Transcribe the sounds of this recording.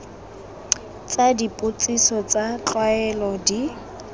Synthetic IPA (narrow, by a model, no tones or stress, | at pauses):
t͡sʼadipʼʊt͡sʼisɔt͡sʼat͡ɬwaɛlɔdi